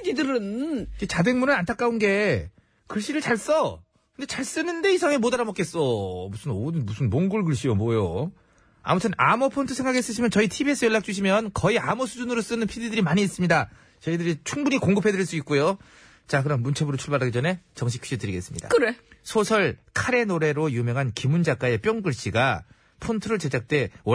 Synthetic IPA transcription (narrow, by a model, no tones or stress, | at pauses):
ididɯɾɯnɡet͡ɕade̞ŋmunɯɭantʰak͈aunɡe̞ | kɯɭɕ͈iɾɯɭt͡ɕaɭs͈ʌ | kkɯnd̥et͡ɕaɭs͈ɯnɯnde̞isʰaŋe̞modaɾamok͈es͈ʌmusʰɯnodɯnbusʰɯnmoŋɡuɭɡɯɭɕ͈ijomwʌjo | a̰mutʰɯnʔa̰mʌpʰontʰɯsʰe̞ŋɡakʰes͈ɯɕʰimjʌnt͡ɕʌitʰibies͈ʰɯjʌɭːak̚t͡ɕ͈uɕʰimjʌnkʌiamʌsʰud͡ʑunɯɾos͈ɯnɯnpʰididɯɾimaɲiːs͈ɯmɲida | t͡ɕʌidɯɾit͡ɕʰuŋbuɲikoŋɡɯpʰe̞dɯɾiɭs͈uit̚k͈ujo | t͡ɕak̬ɯɾʌnmunt͡ɕʰebɯɾot͡ɕʰuɭbaɾaɡid͡ʑʌne̞t͡ɕʌŋɕ̬ʰi̥kʰid͡ʑitɯɾiɡe̞s͈ɯmɲida̰kɯɾesʰosʰʌɭkʰaɾe̞noɾe̞ɾojumjʌŋɦankimund͡ʑak͈ae̞p͈jʌŋɡɯɭɕ͈iɡa | pʰontʰɯɾɯɭt͡ɕe̞d͡ʑak̚t͈e̞w